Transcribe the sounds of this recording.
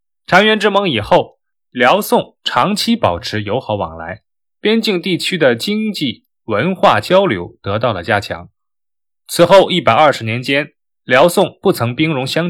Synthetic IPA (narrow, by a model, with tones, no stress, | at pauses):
ʈ͡ʂʰɑ˧˥ŋɥɛ˧˥nʈ͡ʂɻ̩˥mɤ˧˥ŋi˨˩xo˥˩ʊ | ljɑ˧˥ʊsʊ˥˩ŋʈ͡ʂʰɑ˧˥ŋt͡ɕʰi˥pɑ̰˨˩ʊʈ͡ʂʰɻ̩˧˥jo˧˥ʊxɑ˧˥ʊwɑ̰˨˩ŋla̰˧˥ɪ | pjɛ˥nt͡ɕi˥˧ŋt̪i˥˩t͡ɕʰy˥d̪ə˨t͡ɕi˥ŋt͡ɕi˥˩ | wə˧˥nxwa̰˥˩t͡ɕjɑ˥ʊljo˧˥ʊt̪ɤ˧˥t̪ɑ˥˩lə̰˩t͡ɕja˥t͡ɕʰjɑ̰˧˥ŋ | t͡sʰɹ̩˨˩xo˥˧ʊi˥˩pa˨˩ɪɐ˞˥˩ʂɻ̩˧˥njɛ˧˥nt͡ɕjɛ˥n | ljɑ˧˥ʊsʊ˥˧ŋpu˥˩t͡sʰɤ˧˥ŋpi˥ŋɻʊ˧˥ŋɕjɑ˥ŋ